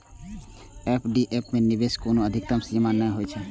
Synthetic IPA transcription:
epʰɖiʔepʰmeniʋeskunũəd̪ʱɪk̚t̪əmsimanːəjɦojt͡ʃʰe

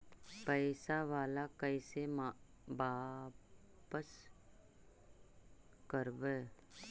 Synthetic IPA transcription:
pəːsaʋaːlakəisem | baː | pəs | kəɾʋe

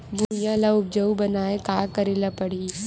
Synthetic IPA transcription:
bʱujãlaʊb̚d͡ʒɐubɐnaːekaːkɐɾilapɐɽ̤iː

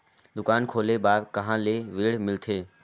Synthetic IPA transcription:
d̪ʊkaːnkʰoːleːbaːɾkəɦãːleːʋɪːɽmɪlt̪ʰeː

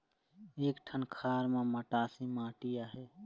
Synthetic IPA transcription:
eːkʈʰənkʰaːɾmeməʈaːsimãːʈijaɦɛ

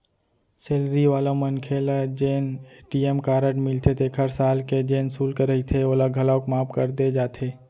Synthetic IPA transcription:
seːlɾiʋaːlamənkʰeːlad͡ʒeːneːʈiemkaːɾəʈmɪlt̪ʰet̪ekʰəɾsaːlked͡ʒeːnsuːlkeɾəit̪ʰeoːlaɡʱɐlaokmaːpkəɾd̪ed͡ʒaːt̪ʰeː

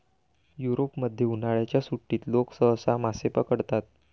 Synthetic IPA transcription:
juɾopməd̪ʱːjeunaɭjat͡ɕjasuʈːiːt̪loksəɦsamasepəkəɽt̪at̪̚

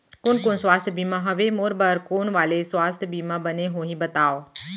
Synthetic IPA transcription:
koːnkoːnswaːst̪ʰjbiːmãɦɐʋemoːɾbəɾkoːnʋaːleswaːst̪ʰjbiːmãbɐneɦoːɦĩbɐt̪aːoː

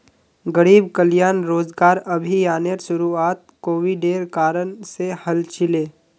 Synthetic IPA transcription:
ɡəɾiːbkəljaːnɾoːzɡaːɾɐbʱijaːneɾʃʊɾuaːt̪̚koːʋiɖeːɾkaːɾənsehɐlt͡ʃɪleː

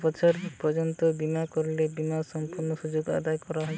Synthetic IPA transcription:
pɔt͡ʃʰɔɾpɔd͡ʒɔnt̪ɔbimakɔɾlebimasɔmpuɾnɔsud͡ʒoɡa̰d̪ajkɔɾaɦɔ

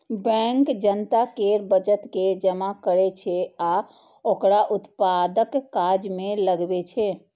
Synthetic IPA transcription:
bɛ̃ŋkd͡ʒənt̪akeɾbəd͡ʒət̪ked͡ʒəmakəɾet͡ʃʰɛa | okɾaʔut̪pad̪əkːad͡ʒmeləɡbet͡ʃʰɛ

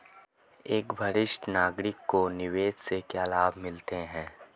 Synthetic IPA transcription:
eːkbʱɐɾɪʃʈnaːɡɾɪkːonɪʋeːssekjaːlaːbʱmɪlt̪eɦɛ̃ː

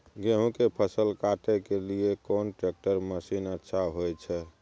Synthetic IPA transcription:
ɡeɦũkepʰəsəlkaʈekeliekonʈɾek̚ʈəɾməsinətːʃʰaɦojt͡ʃʰɛ

